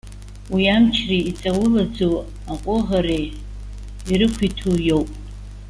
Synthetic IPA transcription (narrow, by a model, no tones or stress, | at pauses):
wiamt͡ʃʰriit͡sʼawʊlad͡zow | aqʷʼʊʁaɾej | irɨkʷʰitʰujo̞wpʼ